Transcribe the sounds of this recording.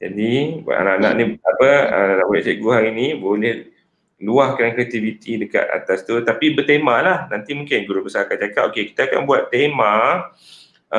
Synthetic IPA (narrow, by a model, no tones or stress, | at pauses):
d͡ʒa̰dḭʔa̰naʔana̰ʔnĩapənanãʔbolɛht͡ʃəɡuɦaɾinĩbolɛh | luahkankɾiat̪ivit̪ʰidəka̰t̪̚a̰t̪ast̪ut̪apibət̪emalahnant̪imũŋkɪnkuɾubəsaakaʔ̚t͡ʃakat̪okeki̥t̪aːka̰nbuat̪ːemã